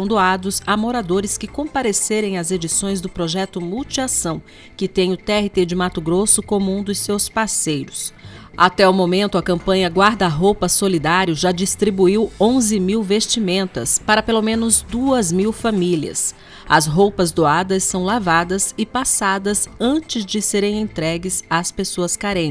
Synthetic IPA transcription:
sɐ̃w̃d̪oad̪ʊzamoɾad̪oɾɪskɪkõpaɾeseɾẽj̃ɐzed͡ʒisõj̃zd̪ʊpɾoʒɛt̪ʊmuwt͡ʃiasɐ̃w̃ | kɪt̪ẽj̃ʊt̪ɛhit̪ed͡ʒɪmat̪ʊɡɾosʊkõmũũd̪ʊsːewspaɾsejɾʊsat̪ɛʊmomẽnt̪ʊɐkɐ̃mpɐ̃ɲɐɡwaɾd̪ɐːɦowpɐsolid̪aɾiʊʒad͡ʒist̪ɾibuiwõzɪmiwvest͡ʃimẽnt̪ɐspaɾɐpelomẽnʊzd̪uɐzmiwfamiliɐ̰s | ɐzɦowpɐzd̪oad̪ɐsːɐ̃w̃lavad̪ɐzɪpasad̪ɐzɐ̃nt͡ʃɪzd͡ʒɪseɾẽj̃ẽnt̪ɾɛɡɪsaspesoɐskaɾẽ

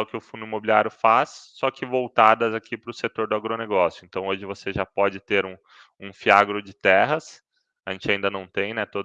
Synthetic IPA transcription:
ʊkɪʊfũnd̪ʊɪmobilʲiaɾjʊfasːɔkɪvowt̪ad̪ɐzakʰipɾʊset̪oɾd̪ʊaɡɾoneɡɔsjʊẽnt̪ɐ̃w̃oʒɪvoseʒapɔd͡ʒɪt̪eɾũ | ũfiaɡɾʊd͡ʒɪt̪ɛɦɐs | aʒẽnt͡ʃɪaĩnd̪ɐnɐ̃w̃t̪ẽj̃nɛt̪od̪

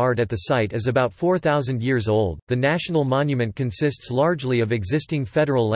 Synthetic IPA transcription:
ɑɹɾɨt̪̚ðɨsaɪɾɨzɨbaʊtfɔɹθaʊzɨ̃ndjɪɹzoʊlˠd̪̚ðɨnæʃn̩l̩ˠmɑ̃njɨmɨ̃nkɨ̃nsɪstslɑɹd͡ʒliʌvɨɡzɪstɪ̃ŋfɛɾə˞l̩ˠ

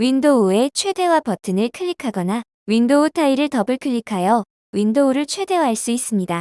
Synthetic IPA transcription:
windoue̞t͡ɕʰwe̞de̞wapʌtʰɯnɯɭkʰɯʎːikʰaɡʌna | windoutʰaiɾɯɭtʌbɯɭkʰɯɭʎːikʰajʌ | windouɾɯɭt͡ɕʰwe̞de̞waɦaɭs͈uis͈ɯmɲida

